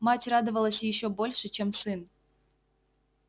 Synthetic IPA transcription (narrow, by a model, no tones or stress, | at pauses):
mɑtʲrɑd̪əvəlˠəsʲjɪɕobolʲʂə̆t͡ɕemsɨn